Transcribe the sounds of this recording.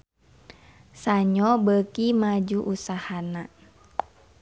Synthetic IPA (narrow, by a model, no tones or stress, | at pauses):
saɲɔbəkimad͡ʒuʔusahana